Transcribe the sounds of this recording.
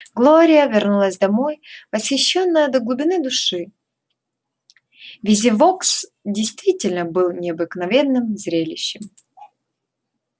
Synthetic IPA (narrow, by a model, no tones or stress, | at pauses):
ɡlˠoɾʲɪjəvʲɪrnulˠəszʲd̪ɐmojvəsxʲɪɕːonːəjəd̪əɡlˠʊbʲɪnɨd̪ʊʂɨ | vʲɪzʲɪvoksdʲɪjst̪vʲitʲɪlʲnəbɨlˠnʲɪɐbɨknɐvʲe̞nːɨmzɾʲelʲɪɕːɪm